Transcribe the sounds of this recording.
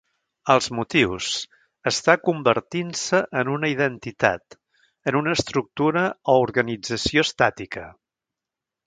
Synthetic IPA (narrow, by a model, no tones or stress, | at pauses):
əlˠzmut̪iwz | əst̪akumbəɾt̪insəʔənunəiðənt̪it̪a̰t̪ | ənunəːst̪ɾuk̚t̪uɾəouɾɣənid͡zəsiost̪at̪ikə